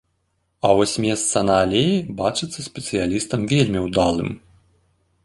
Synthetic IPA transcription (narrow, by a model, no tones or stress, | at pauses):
ɐvɔsʲmʲɛst̪sɐnaːlʲejibat͡ʂɨt̪sːɐsʲpʲɛt̪sɨjalʲist̪ɐmvʲelʲmʲiwd̪alˠɨ̰m